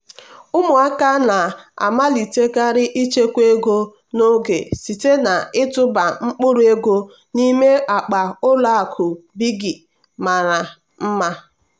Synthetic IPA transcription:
ʊ˦mʊ˨a˦ka˦na˨a̰˨ma˦li˨te˦ɡa˦ɾɪ˦ʔi˦t͡ʃe˦kʷe˦ɡo˦ | no˦ɡḛ˨si˨te˦na˨ɪ˦tʊ˦ba˨ŋ͡m̩˦k͡pʊ˦ɾu˦e˦ɡo˦ | ni˦me˦ʔa˨k͡pa˨ʊ˦la˦a˨kʰʊ˨bi˦ɡi˨ | ma˨ɾa˨ | m̩˦ma˦

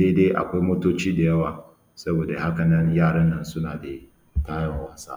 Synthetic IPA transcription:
de˦deː˦ʔa̰˨kʷa˦jmoː˦toː˦t͡ʃiː˦da˨jɐ˦waː˨ | sɐ˦boː˨da˨ha˦kɐ˨nɐ˦njaː˦˨ɽɐ˦nːɐ˦nsʊ˦naː˨da˨ | taː˦jɐ˨ŋwaː˦sa̰ː˦

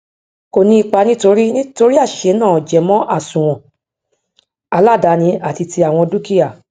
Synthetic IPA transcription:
ko˨nĩ˧i˧k͡pa˧nĩ˦to˧ɾi˦nĩ˦to˧ɾi˦a˦˨ʃe˨˦nãː˦˨d͡ʒɛ˨mɔ̃˦ʔa˦˨sũ˨w̃ɔ̃˨ | a˧la˦˨da˨˦nĩ˧a˦˨ti˧ti˧a˨w̃ɔ̃˧du˦ki˦a˨

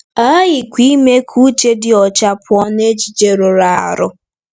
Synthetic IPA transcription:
a˦ɣɪ˨kʷi˦me˦kʰu˦t͡ʃe˦dɪ˦ɔ˨t͡ʃa˦pʊ˦ɔ˦ne˦d͡ʒi˨d͡ʒe˦ɾo˨ɾa˨a̰˨ɾʊ˦

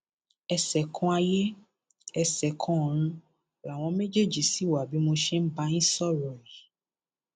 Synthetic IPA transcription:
ɛ˧sɛ˨kʰɔ̃˧a˧je˦ | ɛ˧sɛ˨kʰɔ̃˧˨ɾ̃ũ˧ | a˨w̃ɔ̃˧me˦d͡ʒe˦˨d͡ʒi˨si˨˦wa˨bi˨˦mo˧ʃe˦n̩˦ba˧˦nĩ˦sɔ˦ɾɔ˨ɛ˨

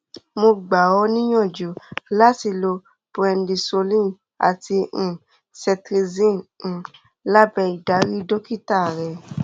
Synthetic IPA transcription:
mo˧ɡ͡ba˨ɔ˧˦nĩ˦j̃ɔ̃˦˨d͡ʒu˨la˦ti˧lo˧ | pɾɛ˧ndi˧so˧lĩ˦˨ | a̰˨tĩ˧˨ | sɛ˧tɾi˧zĩ˦˨ | la˦bɛ˧i˨da˨˦ɾi˦do˦ki˦˨ta˦˨ɾɛ˨

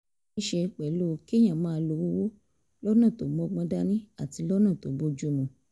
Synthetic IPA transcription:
i˦ʃe˧k͡pɛ˨lo˦˧ki˦j̃ã˨mãː˦˧lo˧wo˦wo˦ | lɔ˦nã˦˨to˨mɔ̃˧ɡ͡bɔ̃˧da˧nĩ˦a˦˨ti˧lɔ˦nã˦˨to˨˦bo˧d͡ʒu˦mũ˧

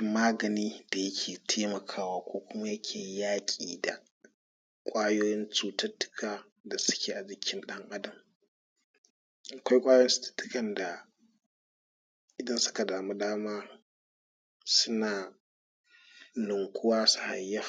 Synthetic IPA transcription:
maː˦ɡɐ˨niː˦da˨jɐ˦kʲʰeː˨tʰeː˦mɐ˨kʰaː˦waː˦kʷoː˦kʷʊ˦ma˦jɐ˦kʲʰeː˨jaː˦kʲʼiː˨da̰˨ | kʷʼaː˦joː˦jɪ˦nt͡ʃuː˨tɐ˦tːʊ̥˦kʰaː˨ | da˨sʊ̥˦kʲeː˨ʔa˨d͡ʒɪ˦kʲʰɪ˦nɗɐ˦ŋʔa˦dɐ˨m | ʔa˨kʷa˦jkʷʼaː˦jstɐ̥˦tːʊ̥˦kɐ˨nda˨ | ʔɪ˨dɐ˦nsʊ̥˦ka˨daː˨mu˦daː˦maː˦ | sʊ˦naː˨ | lʊ˨ŋkʷʰʊ˦waː˦su̥˦ha˨jːa˦

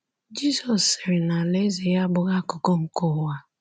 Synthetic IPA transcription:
d͡ʒi˦sɔ˨sɪ˨ɾɪ˨na˨le˦ze˨ja˦bʊ˨ɣa˦kʊ˨kɔ˦ŋ̩˨kɔ˦˨wa˦

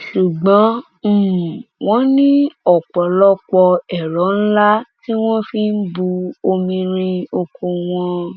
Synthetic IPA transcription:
ʃu˨ɡ͡bɔ̃˨˦ | m̩˦˨w̃ɔ̃˦nĩ˦ɔ˦˨k͡pɔ˨lɔ˦k͡pɔ˧ɛ˨ɾɔ˨˦n̩˦la˦ti˦w̃ɔ̃˦fi˦n̩˦bu˧o˧mĩ˧ɾ̃ĩ˧o˧kõ˧w̃ɔ̃˧

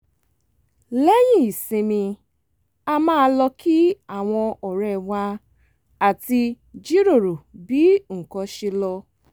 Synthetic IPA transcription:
le˦jĩ˦˨i˨sĩ˧mĩ˧ | a˧mãː˦˧lɔ˧ki˦a˦˨w̃ɔ̃˧ɔ˨ɾɛ˨wa˧ | a˨ti˧ | d͡ʒi˦ɾo˦˨ɾo˨bi˨˦ŋ̩˨kɔ˧ʃe˧lɔ˧

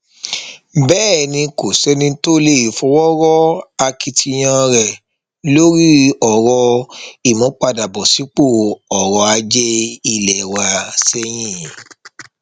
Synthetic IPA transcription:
bɛː˦˨˦nĩ˧ko˨sɛ˦nĩ˧to˦le˦˨i˨fɔ̃˧wɔ˦ɾɔ˦a˧ki˧tʰi˧j̃ã˧ɾɛ˨ | lo˦ɾi˦ɔ˨ɾɔ˧i˦˨mɔ̃˨˦k͡pa˧da˨bɔ˨si˨˦k͡po˦˨ɔ˨ɾɔ˧a˧d͡ʒɛ˦i˧˨lɛ˨wa˧sɛ˦j̃ĩ˦˨

